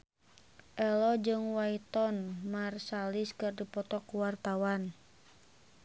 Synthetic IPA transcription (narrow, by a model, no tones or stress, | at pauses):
ʔɛlɔd͡ʒɨŋwait̪ɔnmarsaliskɨrdipɔt̪ɔkuwart̪awan